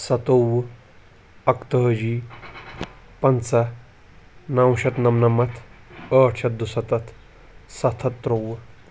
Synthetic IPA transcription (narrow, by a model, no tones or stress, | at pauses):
sɐt̪ow | ɐkt̪əɦd͡ʒiː | pɐnt͡sɐ | nɐwɕɐt̪nɐmnɐmɐt̪ʰəːʈʰɕɐt̪̚d̪usɐt̪ɐt̪ʰ | sɐt̪ʰɐt̪ːɾow